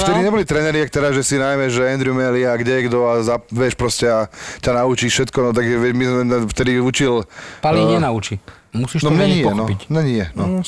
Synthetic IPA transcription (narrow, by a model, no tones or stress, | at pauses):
ft̪ɛd̪iɲɛbɔlit̪ɾɛnɛɾit̪ak̚t̪ɛɾazʒɛsinajmɛʒɛɛnd̪ɾumɛliaɡɟɛjɛɡd̪ɔazaʋɛʃpɾɔscɛacanaut͡ʃiːfʃɛt̪kɔnɔt̪̬aɡʒɛʋɛmizmɛft̪ɛd̪iut͡ʃilpaliɲɪɛnaut͡ʃi | musiːʃnɔmɲɛɲiɔxnɔicmɲɛɲiɛnɔ